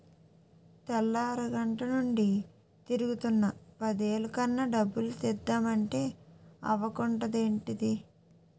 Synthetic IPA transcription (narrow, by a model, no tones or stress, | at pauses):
t̪ɛlːaːɾuɡɐɳʈɐnuɳɖi | t̪iɾuɡut̪unːɐpɐd̪e̞ːlukɐnːɐɖɐbːulut̪ɛd̪ːaːmɐɳʈe̞ːɐ̰ʋɐkuɳʈɐd̪e̞ːɳʈid̪i